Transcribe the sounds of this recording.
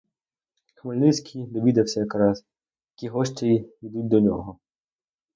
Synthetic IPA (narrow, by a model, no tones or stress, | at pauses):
xʋɪlʲnɪsʲkʲʰid̪ɔʋʲid̪ɐwsʲɐjɐkɾɑs | jɐkʲiɦɔʃt͡ʃeiid̪ut̚ʲd̪ɔnʲɔ̰ɦɔ